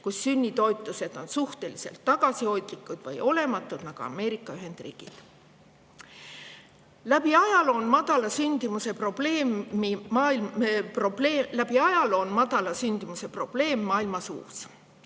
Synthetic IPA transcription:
kusːynʲːit̪o̞jt̪ˑːuse̞d̪̥o̞nsuht̪e̞lise̞̰lt̪ːɑɡ̥ɑsio̞jd̪likːˑud̪̥vɤ̰jo̞le̞mɑt̪ˑːud̪̥nɑɡ̥uɑ̰me̞ːɾikːˑɑyɦe̞nd̪̥rḭːɡ̥ḭd̪̥ | læb̥iɑjɑlo̞nmɑd̪̥ɑlɑsynd̪̥imuse̞pro̞b̥le̞ːmimɑːiprobleːlæb̥iɑjɑlo̞nmɑd̪̥ɑlɑsynʲd̪̥imuse̞pro̞b̥le̞ːmːɑːilmɑsṵːs

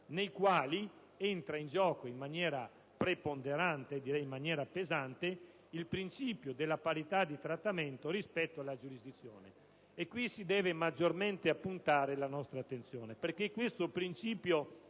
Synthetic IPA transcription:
nejkwaːli | ent̪ɾaind͡ʒɔːkoimmːanjɛːɾa | pɾepond̪eɾant̪eːd̪ːiɾɛjimːanjɛːɾapezant̪e | ilpɾint͡ʃiːpjod̪elːapaɾit̪ad̪ːit̪ɾat̪ːament̪oɾispɛt̪ːoalːad͡ʒuɾizd̪it̪sːjoːneː | kːwisid̪ɛːvemad͡ʒːorment̪eapːunt̪aːɾelanɔst̪ɾaːt̪ːent̪sjoːneperkekːwest̪opɾint͡ʃiːpjo

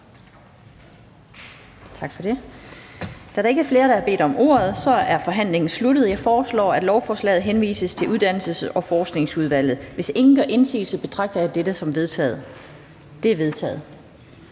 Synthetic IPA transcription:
t͡sʰɑ̈ɡ̥fɒ̽d̥e̝ | d̥æɾɑ̈eɡəæɐfle̝ːɐɾ̥ɑ̈æɐbe̝̰ːd̥ɒ̽mo̝̰ːɐð̞̩ˠsɒ̽æɐfɒ̽ɦæn̰le̝ŋn̩slud̥əð̩ˠjɑ̈ɪfɒːslɒ̰ːæd̥lɒʊfɒːslɛ̰ːð̞̩ˠɦenʋḭːsəst͡sʰe̝ʔuð̞ˠd̥æn̰l̩səsɒ̽fɒːsɡ̥ne̝ŋsuð̞ˠʋæl̰ð̩ˠʋe̝se̝ŋn̩ɡ̥ɶʔe̝nsḭːlsəb̥e̝t͡sʰʁɑ̈ɡ̥̚d̥ɐjɑd̥edəsɒ̽mʋe̝ðˠðˠ | d̥e̝æɐʋe̝ð̞ˠt͡sʰɛ̰ːð̩ˠ

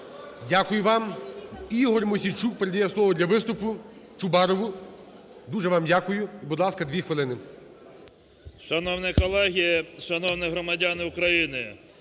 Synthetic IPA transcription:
dʲakʊjʊʋɑm | iɦɔrmɔsʲijt͡ʃuk̚peɾed̪ʲijɛslˠɔʋɔd̪ʲlʲɐʋɪst̪ʊpʊt͡ʃʊbɑɾɔʋʊ | d̪uʒɛʋɑmdʲakʊjʊbʊd̪lˠɑskɐd̪ʋʲixʋɪlˠɪnɪ | ʃɐnɔwnɛkɔlˠɛɦʲijɐʃɐnɔwnɪɦɾɔmɐdʲanɪʊkɾɐjinɪ

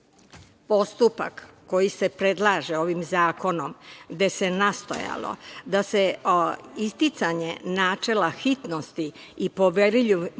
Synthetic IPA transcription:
po̞st̪upa̰kːo̞jise̞pɾe̞d̪lˠaːʒeo̞ʋimzaːko̞no̞mɡd̪e̞se̞nast̪o̞̰ja̰lo̰d̪ase̞ | ist̪it̪saɲenaːt͡ʂe̞laxit̪nost̪iː | po̞ʋeɾiʎi

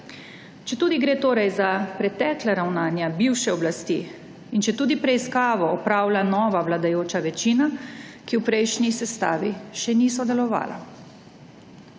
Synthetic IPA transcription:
t͡ʃɛt̪uːd̪iɡɾeːt̪oːɾajzapɾɛt̪ɛːklaɾawnaːnjabiwʃɛɔblast̪ḭ | int͡ʃɛt̪uːd̪ipɾɛiskaːʋɔːpɾaːwlanɔːʋaʋlad̪ajoːt͡ʃaʋɛt͡ʃiːnakiwpɾɛjʃnisɛst̪a̰ːʋiʃɛniːsɔd̪ɛlɔʋa̰ːla̰

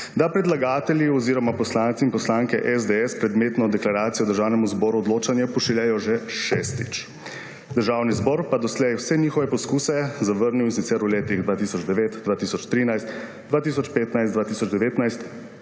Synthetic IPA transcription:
d̪apɾɛd̪laɡaːt̪ɛlʲjiɔziːɾɔmapɔslaːnt̪siinpɔslaŋkɛ̰ʔɛzd̪eɛspɾɛd̪meːt̪nɔd̪ɛklaɾaːt̪sijɔd̪əɾʒaːwnɛmuzbɔːɾuɔd̪loːt͡ʃanjɛpɔʃɛljɛjɔʒɛʃɛst̪ḭt͡ʃ | d̪əɾʒawnizbɔɾpad̪ɔslɛjwsɛniːxɔʋɛpɔskuːsɛzaʋəɾniwisit̪sɛɾuleːt̪iɣd̪ʋaːt̪iːsɔd͡ʒd̪ɛʋeːt̪d̪ʋaːt̪iːsɔt͡ʃt̪ɾiːnajst̪ | d̪ʋaːt̪iːs̬ɔt͡ʃpeːt̪najst̪d̪ʋaːt̪iːsɔd͡ʒd̪ɛʋeːt̪najst̪

